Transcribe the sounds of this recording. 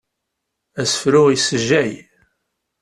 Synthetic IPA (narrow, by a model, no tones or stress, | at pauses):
æsə̥fɾʊʁisəʒæj